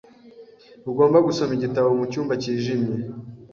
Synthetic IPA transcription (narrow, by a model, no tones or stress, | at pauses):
uɡo̞ːmbaɡusomiɟitawomucuːmbaciːʒimje